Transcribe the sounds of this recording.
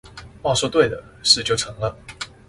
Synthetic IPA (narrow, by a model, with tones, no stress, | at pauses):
wɑ˥˩ʂwɔ˥˧t̪we˥˩ɪd̪ə˩ʂɻ̩˥˧t͡ɕjo˥˩ʊʈ͡ʂʰɤ˧˦ŋlə˧